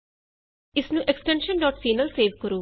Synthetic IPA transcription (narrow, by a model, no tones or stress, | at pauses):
ɪsnũːʔɛksʈɛ̃nʃə̃nɖɔːʈsiːnəlseːʋkəɾuː